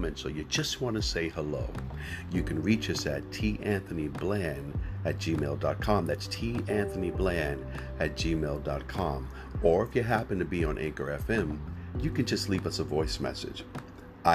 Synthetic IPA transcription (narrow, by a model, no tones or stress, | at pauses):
mɨ̃nsoʊjɨd͡ʒʌst̚wɑ̃nɨseɪhəlo̰ʊjɨkʰɨ̃nɹit͡ʃʌsɨ̰tʰiʔæ̃nθɨniblæ̃nɨt̚d̥ʒ̥imeɪlˠdɑt̚kʰɑ̃mðætstʰiʔæ̃nθɨniblæ̃n | ɨt̚d̥ʒ̥imeɪlˠdɑt̚kʰɑ̃m | ə˞ɨfjɨɦæpɨ̃n̩tʰɨbiə̃nʔæ̰̃ŋkə˞ɛfɛ̃mjɨkɨ̃nd͡ʒʌstˡlivʌsəvɔɪsmɛ̰sɨ̰d̥d͡ʒ | a